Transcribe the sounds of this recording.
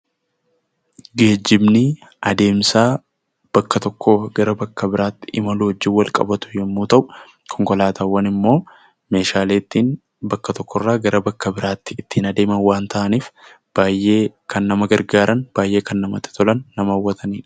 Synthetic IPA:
ɡe̞ːd͡ʒːɪbnɪ | ɐd̪e̞ːmsaː | b̥ɐkːɐt̪ɔkʰːoːɡɐɾɐbɐkːɐbɪɾaːt̪ːɪʔɪmɐluːɔd͡ʒːɪwɐlkʼɐ̰bɐt̪ʊ̥jɛmːuːt̪ɐʔʊ̥ | kʰɔŋkɔlaːt̪ʰawːɐnɪmːo̞ː | me̞ːʃaːleːt̪ːiːn | bɐkːɐt̪ɔkːɔrːaːɡɐɾɐbɐkːɐbɪɾaːt̪ːɪɪt̪ːiːnɐd̪e̞ːmɐnwaːnt̪ɐʔɐniːf | b̥aːjʔːe̞ːkʰɐnːɐmɐɡɐɾɡaːɾʔɐnb̥aːjʔe̞ːkɐnːɐmɐt̪ːɪ̥t̪ɔlɐnːɐmɐɐwːɐt̪ʰɐniː

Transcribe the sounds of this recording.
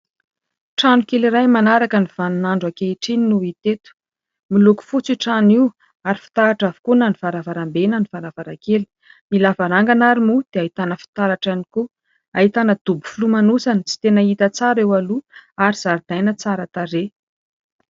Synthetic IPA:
ʈ͡ʂanukeliɾajmanaɾakəniv̥anunaɳɖ͡ʐakeiʈ͡ʂininuit̪et̪u̥ | miluku̥fut͡siʈ͡ʂaniw | aɾifi̥t̪aaʈ͡ʂavu̥kunanivaɾavaɾambenənivaɾavaɾakeli̥ | milavaɾaŋɡanaɾimud̪̥eait̪anəfi̥t̪aɾaʈ͡ʂaniku | aɦit̪anəd̪̥ubu̥fulumanusanit͡si̥t̪enəit̪ət͡saɾewaluaɾiz̥aɾd̪̥ajnət͡saɾat̪aɾe

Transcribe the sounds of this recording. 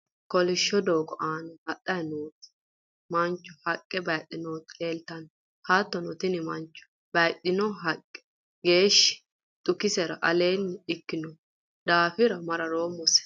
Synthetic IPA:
kɔlɪʃːɔd̪o̞ːɡɔ̰ʔaːnɔhɐɗːɐjnuːt̪ | mɐnt͡ʃːɔhɐkʼːɛbɐjɗːɪnoːt̪leːlt̪ɐn | haːt̪ːɔnɔt̪ɪnɪmɐnt͡ʃːɔ̥ | b̥ɐjɗːɪnɔɦɐkʼːɛ̥ | ɡeːʃːɪ̥ | t̪ʼʊkɪsɛɾɐ̰ʔɐleːnːɪɪkːɪnɔ | d̪aːfɪɾɐmɐɾɐɾoːmːɔsɛ̥

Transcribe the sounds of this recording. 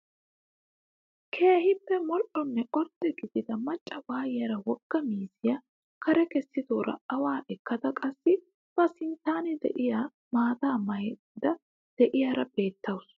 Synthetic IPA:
kʰe̞ːhɪpːɛmɔʔɔnːɛʔɔɾt̪ʼːɛɡɪd̪ɪd̪ɐmɐt͡ʃʼːɐwaːjɪjɐɾɐwɔɡ̥ːɐmiːsɪjɐ | kʰɐɾɛkɛsːɪd̪oːɾɐ̰ɐwaːʔɛkːɐd̪ɐkʼɐsːɪ | b̥ɐsɪnt̪aːnɪd̪ɛ̰ʔɪja | maːt̪aːmɐjɛ | d̪ɐ | d̪̥ɛʔɪjaɾɐbe̞ːt̪ːɐwʊs

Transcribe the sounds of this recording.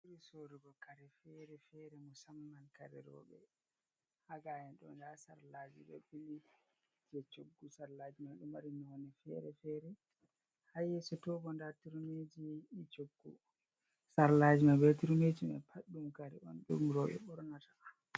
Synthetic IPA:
uɾisoɾiɡɔkaɾɛfɛɾɛfɛɾɛmusamːankaɾɛ̰ɾɔ̰ɓɛ̰ | haɡajɛnɗɔ̰ndasaɾlad͡ʒḭɗɔ̰bili | d͡ʒɛt͡ʃoɡːusaɾlad͡ʒimaɗumaɾimiwɔnɛfɛ̰ɾɛfɛɾɛ | hajɛsɔtɔbɔndatiɾumed͡ʒit͡ʃoɡːṵ | saɾlad͡ʒimabɛtiɾumed͡ʒiɓɛ̰pʰaɗːumkaɾɛ̰ɔ̰nɗṵmɾɔɓɛ̰ɓɔɾnatḁ

